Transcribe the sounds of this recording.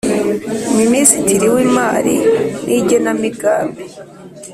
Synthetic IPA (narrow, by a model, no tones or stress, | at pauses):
minisitiɾiwimaɾḭnʔiɟenamiɡaːmbi